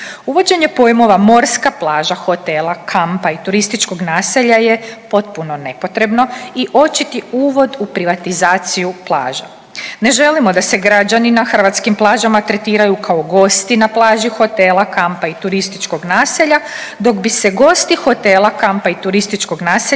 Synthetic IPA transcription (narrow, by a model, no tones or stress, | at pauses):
uʋo̞d͡ʑe̞ɲe̞po̞jmo̞ʋamo̞ɾskaplˠaːʒaxo̞t̪e̞ːlˠakʰampait̪uɾist̪it͡ʃko̞ɡnaːseʎajepo̞t̪̚puno̞ne̞po̞t̪ɾe̞bno̞iʔo̞t͡ʃit̪iuːʋo̞d̪upɾiʋat̪izaːt̪sijuplˠa̰ːʒa | ne̞ʒe̞limo̞d̪ase̞ɡɾad͡ʑaninaxr̩ʋat̪skimplˠaːʒamat̪ɾe̞t̪iːɾajukʰaoɡo̞st̪inaplˠaːʒixo̞t̪eːlˠakampait̪uɾist̪it͡ʃko̞ɡnaːseʎad̪o̞ɡbise̞ɡo̞st̪ixo̞t̪e̞ːlˠakampait̪uɾist̪it͡ʃko̞ɡnaːse